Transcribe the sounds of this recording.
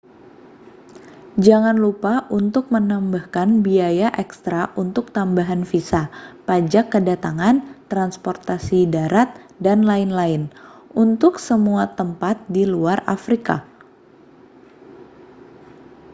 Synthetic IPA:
d͡ʒaŋanlupaʔunt̪ʊk̚mənambahkanbiajaʔɛkst̪ɾaʔunt̪ʊk̚t̪ambaɦanfisapad͡ʒakːədat̪aŋant̪ɾanspɔrt̪asidaɾat̪̚danlaɪnlaɪnʔunt̪ʊksəmuat̪əmpat̪̚diluara̰fɾika̰

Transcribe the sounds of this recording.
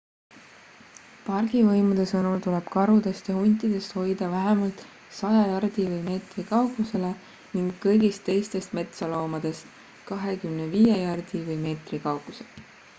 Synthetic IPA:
pɑrɡ̥ivɤjmud̪̥e̞sɤnult̪uleb̥kɑɾud̪̥e̞st̪jɑhunʲt̪ˑid̪̥e̞st̪ho̞jd̪̥ɑvæɦemɑlt̪ˑ | sɑjɑjɑrd̪̥ivɯjme̞ːt̪rikɑwɡuse̞le | niŋɡːɤjɡist̪ːe̞jst̪e̞st̪me̞t̪solo̞ːmɑd̪̥e̞st̪ | kɑɦe̞kymneviːjejɑrd̪̥ivɤjme̞ːt̪rikɑwɡuse

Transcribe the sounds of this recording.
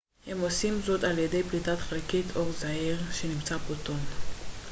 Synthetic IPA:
he̞mo̞simzo̞taljede̞jplitatχelkitʰo̞ʁzahiʁʃenimt͡saboton

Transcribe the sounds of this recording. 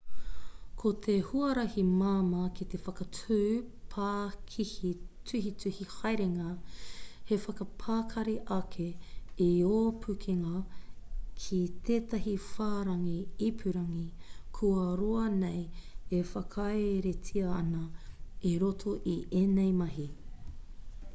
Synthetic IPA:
kʰot̪ʰehuɐɾɐhimaːmɐkit̪efɐkɐtʰʉːpʰaːkʰihitʰʉhitʉhihɐjɾeŋɐ | hefɐkɐpʰaːkʰɐɾiʔɐkʰeioːpʰʉkʰeŋɐ | kʰit̪ʰeːt̪ɐɦifaːɾɐŋiipʰʉɾɐŋikʰuɐɾoɐnejefɐkʰɐeɾetʰiɐɐnɐeɾotʰoʔiʔenejmɐɦi

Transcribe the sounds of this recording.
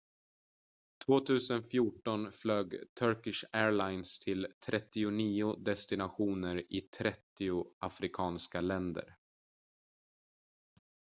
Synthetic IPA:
t̪ʰvoːt̪ʰʉ̟ːsənfjuːʈɔnfløːɡt̪ʰœɾkɪʂæːɭajnst̪ʰɪlt̪ʰɾʔɛt̪ːɪʊniːʊd̪ɛst̪ɪnaɧuːnəɾɪt̪ʰɾɛt̪ːɪʊafɾɪkʰɑːnskalɛnd̪ə̰ɾ

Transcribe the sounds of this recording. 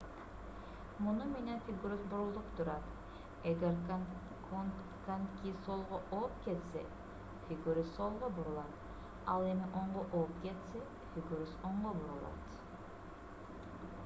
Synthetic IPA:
mʊnumenenfʲiɡuɾusbuɾulˠd̪upt̪uɾɑt̪ | eɡʲeɾ | kankʲisolˠʁoʔopket̪sḛ | fʲiɡuɾusolˠʁobuɾulˠɑt̪ | ɑlˠemiʔoɴʁoʔopket̪se | fʲiɡuɾusoɴʁobuɾulˠɑ̰t̪

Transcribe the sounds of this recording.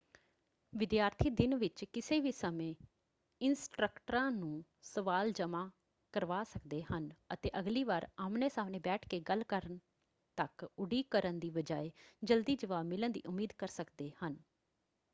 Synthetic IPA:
ʋɪd̪jaːɾt̪ʰiːd̪ɪnʋɪt͡ʃkɪseːʋiːsəmẽː | ɪnsʈɾəkʈəɾãːnũː | səʋaːld͡ʒəmãː | kəɾʋaːsəkd̪eːhənət̪eːʔəɡliːʋaːɾaːmneːsaːmnẽːbɛːʈʰkeːɡəlkəɾən | t̪əkʊɖiːkəɾənd̪iːʋəd͡ʒaːeːd͡ʒəld̪iːd͡ʒəʋaːbmɪlənd̪ḭːʔʊmːiːd̪kəɾsəkd̪eːhən

